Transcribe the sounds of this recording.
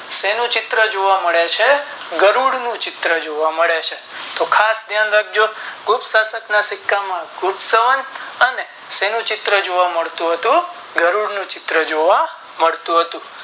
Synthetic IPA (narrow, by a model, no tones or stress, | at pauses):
senũt͡ʃɪt̪ɾəd͡ʒoʋaməɭet͡ʃʰeɡəɾuɽnũt͡ʃɪt̪ɾəd͡ʒoʋaməɭet͡ʃʰet̪okʰasd̪ʱjanlaɡ̚d͡ʒoɡupsasəknasɪkːamãɡʱupsəʋənəne | senũt͡ʃɪt̪ɾəd͡ʒoʋaməɭt̪ũɦət̪ũ | ɡəɾuɽnũt͡ʃɪt̪ɾəd͡ʒoʋa | məɭt̪ũɦət̪ũ